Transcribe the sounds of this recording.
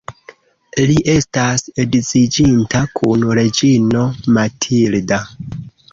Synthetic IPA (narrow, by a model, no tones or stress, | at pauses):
liʔe̞stasedit͡sid͡ʒintakʰunɾe̞d͡ʒino̞matʰilda